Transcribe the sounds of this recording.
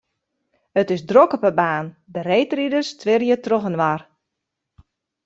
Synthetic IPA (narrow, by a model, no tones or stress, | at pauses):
ətɪsdrokɔpəbaːn | dərejtridərstʰʋɪrjətroxənʋar